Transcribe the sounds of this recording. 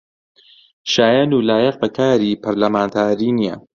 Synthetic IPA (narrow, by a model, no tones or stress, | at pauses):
ʃaːjaːnuːlaːjɐq̚bɐkʰaːɾiːpʰɐɾlɐmaːnt̪ʰaːɾiːnijɛ̰